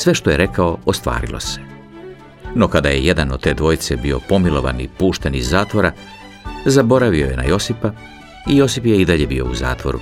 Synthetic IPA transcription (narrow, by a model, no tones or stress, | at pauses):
sʋe̞ʃt̪o̞jeɾe̞kaoost̪ʋa̰ːɾḭlˠo̞̰se̥ | no̞kad̪aje̞̰jed̪anod̪̚t̪e̞ːd̪ʋo̞jt̪se̞bio̞̰po̞milˠo̞ʋa̰nḭpuːʃt̪e̞nizːaːt̪ʋo̞ɾa | zabo̞ɾaʋio̞je̞na̰jo̞sipa | ijo̞sipjeid̪aʎe̞bio̞̰uza̰ːt̪ʋo̞̰ɾṵ